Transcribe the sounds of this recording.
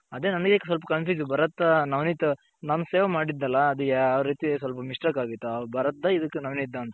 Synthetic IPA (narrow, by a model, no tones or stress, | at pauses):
ɐd̪eːnɐnɐɡeksɐlp̬ɐkɐnpjuːd͡ʒbɐɾɐt̪ːɐnɐʋnit̪ːɐ | naːnuseːʋɐmaːɽid̪ːɐlːɐːd̪uɡaːʋɾɾiːt̪is̬ʋɐlp̬ɐmiʂʈɐkaːɡit̪ːuɐbɐɾɐt̪ːɐid̪ɐkːenɐʋnid̪ːɐːnt̪ɐ